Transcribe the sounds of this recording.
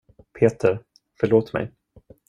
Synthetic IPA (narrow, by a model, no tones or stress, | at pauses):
pʰeːt̪ʰəɾ | fœɭoːt̪mɛ̰j